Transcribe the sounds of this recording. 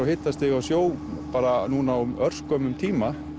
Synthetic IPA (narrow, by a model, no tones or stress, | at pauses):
awhɪːt̪ːast̪ɪɣawsjoːwpaːɾanuːnawmœr̥skœːmʏmt̪ʰiːma